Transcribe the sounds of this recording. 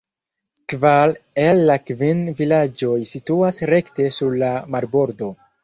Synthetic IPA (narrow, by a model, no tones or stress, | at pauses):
kvalelːakvinvilad͡ʒo̞jsituasɾe̞kte̞suɾlamaɾbo̞ɾdo̞